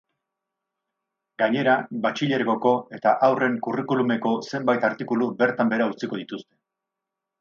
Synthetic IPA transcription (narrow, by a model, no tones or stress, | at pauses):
ɡaɲe̞ɾabat͡ʃiʎe̞ɾɣo̞ko̞e̞t̪aʔawre̞ŋkurikulume̞ko̞se̞mbajt̪aɾt̪ikulube̞ɾt̪ambe̞ɾaut͡siko̞ð̞it̪ust̪e̞